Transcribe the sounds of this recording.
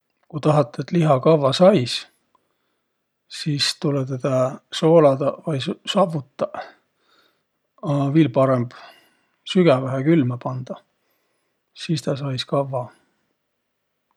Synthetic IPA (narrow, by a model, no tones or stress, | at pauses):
kut̪ɑɦɑt̪ːˑeet̪liɦɑkɑvːɑsɑjs | siːst̪ulɛt̪ed̪ɑso̞ːlɑd̪̥ɑvɑjssɑvut̪ːˑɑ | viːlpɑɾemb̥ | syɡ̥ævæɦekylmɑpɑnd̪̥ɑ | sist̪ɑsɑjskɑvːɑ